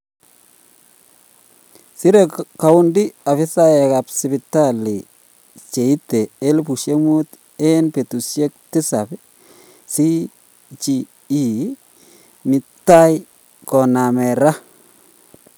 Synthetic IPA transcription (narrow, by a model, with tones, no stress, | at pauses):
si˦ɾe˨ka˨wʊ˦ndi˦a˨fɪ˦sa˦jɛ˨ka˨psi˨bi˨ta˦li˨ | t͡ʃe˨i˦te˨e˦lpu˨ʃe˦mu˦t̪ | e˦npe˨tu˨sje˦k̚tɪ˦sa˨b | si˦ | t͡ʃi˨ | i˨ | mɪ˨tːa˦jɪ | kɔ˨na˨mɛ˨ɾa˦